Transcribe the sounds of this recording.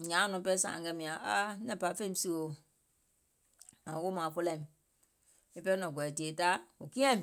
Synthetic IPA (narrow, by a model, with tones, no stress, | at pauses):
ɲã˨˦nɔ̃˨˦pɛ˦sã̰ː˨ɡɛ˧˦mĩ˨ã˨ʔa˦nɛ̃˦˨pa˨˦fẽ˦ĩ˦˧˦si˧˨wo˨ | ã˨˦wo˦mãː˨˦fo˧lɛ̃˦˨m˨ | i˦pɛ˦i˦nɔ̃˨ɡɔ˨ɛ˨ti˨e˨˦ta˦o˨kĩ˦ɛ̃˦˨